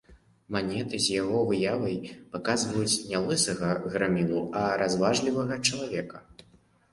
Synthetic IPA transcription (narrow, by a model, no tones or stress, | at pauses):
manʲɛt̪ɨzʲjaɣɔvɨjavɐjpakazvɐjut͡sʲnʲalˠɨsɐɣɐɣɾamʲilˠuɐɾazvaʐlʲivɐɣɐt͡ʂɐlˠavʲɛkɐ